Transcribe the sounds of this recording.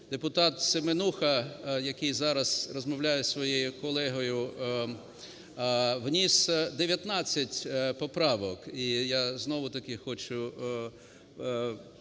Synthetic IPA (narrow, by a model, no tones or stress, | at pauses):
d̪epʊt̪ɑt̪semenuxɐjɐkɪjzɑɾɐz̥rɔzmɔʋlʲajɛsʋɔjejʊkɔlˠɛɦɔjʊ | ʋnʲisd̪eʋʲjɐt̪nɑt͡sʲːɐtʲpɔpɾɑʋɔkijaznɔʋʊt̪ɐkɪxɔt͡ʃʊ